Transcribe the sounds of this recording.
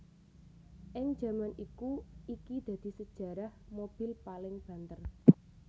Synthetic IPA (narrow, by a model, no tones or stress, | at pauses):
ʔɪŋ̥ʒ̥ä̤manikuikid̪̥ä̤d̪̥i̤səd̥ʒ̥ä̤ɾahmob̥ɪ̤lpalɪŋb̥ä̤nt̪ər